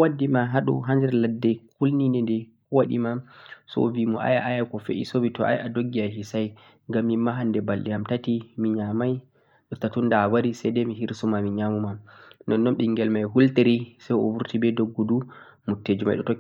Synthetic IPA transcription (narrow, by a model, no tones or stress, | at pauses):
wadːimaɦaɗṵɦandɛɾladːɛkʰulninɛndɛkɔwaɗḭmasɔ̰vimɔʔa̰jaʔajakɔfḛʔḭsovitɔʔa̰jadoɡːialhisaj | ŋɡamːimːaɦandɛbalɗɛhamtatimiɲamaj | ɗɔtatundawaɾisɛjdɛmiɦiɾsumamiɲamumanɔnːɔnɓiŋɡɛlmajɦulteɾisajɔ̰wuɾtibɛdoɡːudu | mutːed͡ʒuma̰jɗɔtɔ